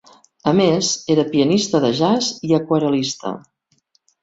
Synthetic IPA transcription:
əmezeɾəpiənist̪əðəʒaziəkwəɾəlist̪ə̰

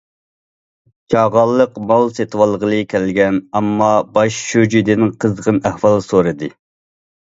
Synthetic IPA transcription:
t͡ʃʰɑʁɑlˠːəqmɑlˠset̪ʰwɑlˠːəʁəlˠɨkʲʰælɡʲɛnɑmːɑbɑʃʃød͡ʒid̪ɪnɪŋqʰəzʁənæhwɑlˠsoɾɨd̪ɨ

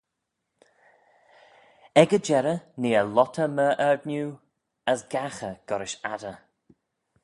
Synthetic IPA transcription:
ɛɡəd͡ʒɛɾəneːəlɔtʰəməʔɛɹdnjuː | əsɡaxəɡ̥ɔɾɪʃa̰də

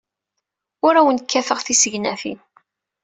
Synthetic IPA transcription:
ʊɾæwənkʰːæfəʁθisəʝnæfḭn

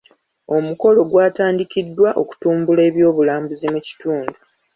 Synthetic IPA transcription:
o̞muko̞lo̞ɡwaːtaːndikidːwaʔo̞ku̥tuːmbule̞ːβjo̞ːβulaːmbuzimuci̥tuːndu

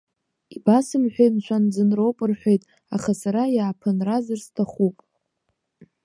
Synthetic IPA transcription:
ibasɨmħʷᶣejnʃʷʰand͡zɨnrowpʼɨrħʷᶣejtʼ | aχasaɾajaːpʰɨnrazɨrstʰaχupʼ

